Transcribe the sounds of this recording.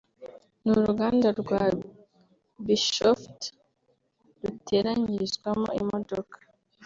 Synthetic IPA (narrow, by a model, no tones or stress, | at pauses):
nuɾuɡaːndaɾɡwa | biʃoft | ɾuteɾaɲiɾizɡwamo̰imodokḁ